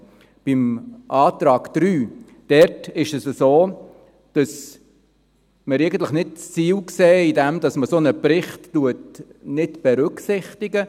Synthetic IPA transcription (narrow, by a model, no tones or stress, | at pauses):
b̥ɪmʔɑːtɾɑːɡd̥ɾyː | d̥ɛɾtɪʃɛsəsoː | d̥ɑs | məɾɛɪɡən̩t̪ləχnɪt̚t͡st͡siːlksɛːidɛmd̥ɑsməsonəpɾɪχtːuətnɪtb̥ɛɾʉksɪχtɪɡə